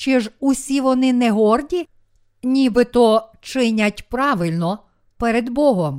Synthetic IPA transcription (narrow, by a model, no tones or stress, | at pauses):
t͡ʃɪʒusʲiʋɔnɪnɛɦɔrdʲi | nʲibɪt̪ɔt͡ʃɪnʲɐtʲpɾɑʋɪlʲnɔ | pɛɾed̪bɔɦɔm